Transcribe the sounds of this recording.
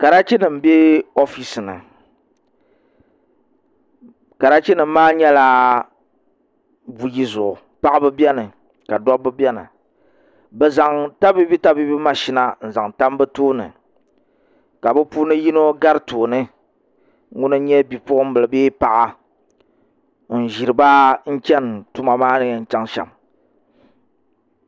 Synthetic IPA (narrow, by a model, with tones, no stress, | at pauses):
ka˨ɾa˦t͡ʃi˦nɨ˨m̩˦be˦o˦fi˨sɨ˨nɨ̰˨ | ka˨ɾa˦t͡ʃi˦nɨ˨m̩˦maː˦ɲɛ˦la˦ | bu˨ji˦zʊ˨ʔʊ˨ | pa˦ʔbɨ˦bɛ˦nɨ˨ | ka˨dɔ˦bɨ˦bjɛ˦nɨ̰˨ | bɨ˨za˨ŋta˦bi˦bi˦ta˦bi˦bi˦ma˨ʃi˦na˨n̩˨za˨ŋta˦m˦bɨ˦toː˦nɨ̰˨ | ka˨bɨ˦puː˦nɨ˦ji˦no˦ɡa˦ɾɨ˦to˨nɨ˦ | ŋʊ˦nɨ˦ɲɛ˦bi˨pʊ˦ʔʊ˦m̩˦bɨ˨lɨ˨beː˦pa˨ʔa˨ | n̩˨ʒi˨ɾɨ˨ba˦n̩˦kʲɛ˦ntu˦ma˨maː˦nɨ˦ɲɛ˨n̩˨t͡ʃɛ˦ŋʃɛ̰˨m